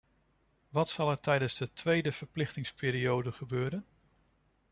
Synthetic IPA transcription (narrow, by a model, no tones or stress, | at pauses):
ʋɑtsɑlˠɛɹtɛjdənzdətʋejdəv̥əɹplɪχtɪŋspɪːɾiowdəχəbøːɾən